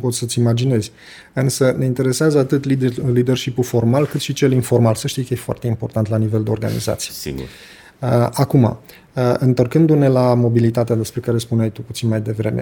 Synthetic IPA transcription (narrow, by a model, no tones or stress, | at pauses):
po̞t̪sʲsət̪sʲimad͡ʒine̞zʲ | ɨnsəne̞int̪e̞ɾe̞seazəat̪ɨt̪lid̪lid̪e̞rʃipufo̞rmalkɨt̪ʃit͡ʃe̞linfo̞rmalsəʃt̪iskəjefoa̰rt̪e̞impo̞rt̪ant̪lanive̞ld̪e̞o̞rɡa̰nḭza̰t̪sijeɡṵɾ | əakuma̰ | əɨnt̪o̞rkɨnd̪une̞lamo̞bilit̪at̪ead̪e̞spɾe̞kaɾe̞spunajt̪uput̪sinmajd̪e̞vɾe̞me̞̰